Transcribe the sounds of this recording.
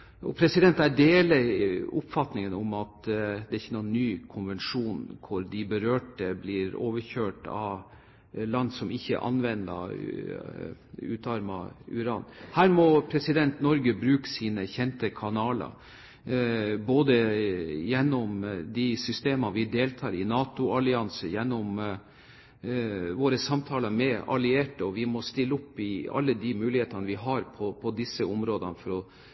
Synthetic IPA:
ɔ̰pʰɾɛsɪd̪ɛnt̪æɖeːlɪʊpfɑt̪nɪŋənɔmɑt̪d̪ɛɾɪçːənuːnːyːkʰʊnʋɛnʂuːnkʰʊɾd̪ɪbəɾøːʈəblɪːɾoːʋəɾçøːʈɑ̰ | lɑnd̪sɔmɪçːə̰ʔɑ̰nʋɛnd̪ɑ̰ | ʉːt̪ɑɾmɑ̰ʉ̰ɾɑːnhæːɾmɔpʰɾɛsɪd̪ɛnt̪nɔɾɡəbɾʉːkə̥siːnəçɛnt̪əkʰɑnɑːlə̰ | boːd̪əjɛnːɔmd̪ɪsʏst̪eːmɑnʋɪd̪eːlt̪ʰɑːɾɪnɑːt̪ʊɑlɪɑnsəjɛnːɔm | ʋoːɾəsɑmt̪ʰɑːlɑɾmɛɑ̰lɪeːʈəɔʋɪmɔst̪ɪlːəʊpːɪɑ̰lːəd̪ɪmʉːlɪheːt̪ɑnəʋɪɦɑɾpʰɔpʰɔd̪ɪsəʊmɾoːd̪ɑ̰nəfɔɾɔ

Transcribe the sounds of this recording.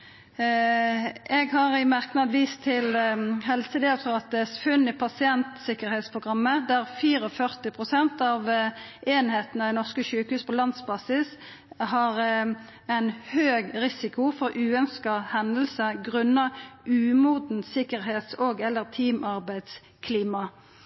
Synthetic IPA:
ʔɛɡɦɑʁɪmæʁknɑd̪ʋiːst̪ʰɪlɦɛlsəd̪eːfʰɔʁɑt̪̚ɛsfʉnːɪpʰɑsɪɛnt̪sɪkəʁɾheːt̪spʰʁʊɡʁɑmːəd̪æʁfiːɾəɔfœʁt̪ɪpʰʁʊsɛnt̪ɑʋʔeːnheːt̪nəd̪ɛnɔʁskəʃʉːkhʉːspʰɔlɑnd̪sbɑsɪs | ɦɑɾ | æɪnhøːɡʁɪsɪkʰʊfɔɾʔʉːœnskɑhɛnl̩səɡʁʉnːɑʉːmuːd̪n̩sɪkəʁheːt̪soːɡɛləʁt̪ʰiːmɑʁbæɪd̪s | kʰliːmɑ

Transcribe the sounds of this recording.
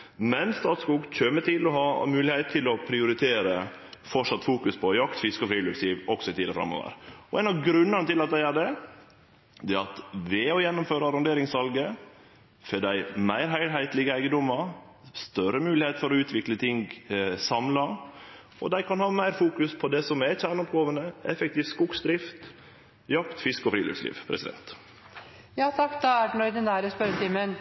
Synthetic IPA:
mɛnst̪ɑːt̪skuːɡc͡çøːmət̪ʰɪlɔɦɑmʉːlɪhɛɪt̪t̪ʰːɪlɔpʰɾɪʊɾɪt̪ʰeːɾə | fɔʈʂɑt̪ːfuːkʉspʰɔjɑkt̪fɪskɔfɾiːløksiːʋɔksɔɪt̪ʰiːd̪əfɾɑ̰mːo̰ːʋə̰ɾɔɛnɑʋɡɾʉnːəɾnət̪ɪlɑt̪̚d̪æɪæɖɛ | d̪ɛɑt̪ʋɛɔjɛnːʊmføːɾəɑɾɔnd̪eːɾɪŋsʋɑlɡə | feːd̪æɪmæɪɾɦæɪɾɦæɪt̪lɪɡəæɪɡəd̪ɔmɑ | st̪œɾəmʉːlɪheːt̪fɔɾɔʉːt̪ʰʋɪklət̪ʰɪŋɡsɑmlɑ | ɔ̰d̪æɪkʰɑnhɑːmæɪɾfuːkʉspʰɔd̪ɛsɔmɛçæːɳɔp̚ɡoːʋənəɛfɛk̚t̪iːft̪skʊɡsd̪ɾɪft̪ | jɑkt̪fɪskɔfɾiːø̰ːkslḭːʋpʰɾʔɛsɪd̪ɛ̰nt̪ | jɑːt̪ʰɑkːd̪ɑæɖnɔɾd̪ɛnæːɾəspœɾt̪ɪmːən

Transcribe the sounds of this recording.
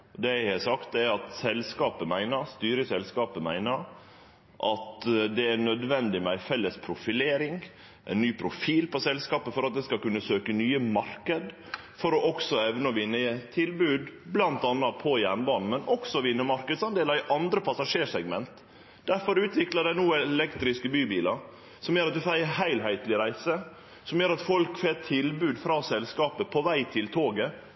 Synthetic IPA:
ɔd̪ɛæɪhɛsɑkt̪ɛɑt̪sɛlskɑːpəmæɪnəɾst̪yːɾəsɛlskɑːpəmæɪnəɾ | ʔɑt̪d̪ɛæɳœd̪ʋɛnd̪ɪmɛæɪfɛlːəspʰɾʊfɪleːɾɪŋ | ʔæ̰ɪnnyːpʰɾʊfiːlpɔsɛlskɑːpəfɔɾɑt̪̚d̪ɛskɑkʉnːəsøːkənyːəmɑɾkəd̪ | fɔɾɔʔɔksɔɛʋnəɔʋɪnːət̪ʰɪlbʉːd̪blɑnt̪ɑnːɑpʰɔjæɳbɑːnn̩mɛnʔɔksɔʋɪnːəmɑɾkəd̪sɑnd̪eːlɑɾɪʔɑnd̪ɾəpʰɑsɑʂeːʂɛɡmɛnt̪ | d̪̥æɾfɔɾʉːt̪ʋɪklɑd̪æɪnuːɛlɛkt̪ɾɪskəbyːbiːlɑɾ | sɔmjøːɾɑt̪̚d̪ʉfɑːɪhæɪlɦæɪt̪lɪɾæɪsə | sɔmjøːɾɑt̪fɔlkfeːt̪ʰɪlbʉːd̪fɾɑːsɛlskɑːpəpʰɔʋæɪt̪ʰɪlt̪ʰoːɡə

